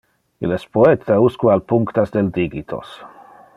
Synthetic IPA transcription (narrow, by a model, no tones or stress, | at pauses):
ḭlɛspoet̪ʰauskwealpuŋkt̪azd̪eld̪iɡit̪ʰo̰s